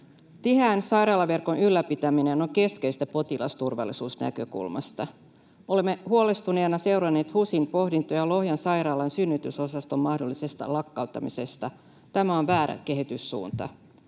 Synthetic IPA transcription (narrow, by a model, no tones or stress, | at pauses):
t̪iɦæːnsɑjrɑːlɑʋe̞rko̞nylːæpit̪æmineno̞ŋke̞skeist̪æpo̞t̪ilɑ̰st̪urʋɑ̰lːˑisuːsnæ̰kø̞kṵlmɑ̰st̪ɑ | o̞lemːehuole̞st̪unenɑse̞wrɑnːe̞ːt̪husinpo̞hdint̪ojɑlo̞hjɑnsɑjɾɑːlɑnsynːyt̪yso̞sɑst̪o̞mːɑhdo̞lːise̞st̪ɑ̰lɑkːɑwt̪ːɑmise̞st̪ɑ | t̪æmæonʋæːɾæ̰ke̞ɦit̪ysːṵːnt̪ɑ̰